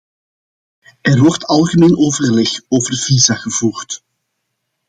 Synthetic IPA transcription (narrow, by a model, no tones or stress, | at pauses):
ɛrʋɔrtɑlˠɣəmeːnʔoːvərlɛxoːvərv̥iːzaɣəv̥uːrt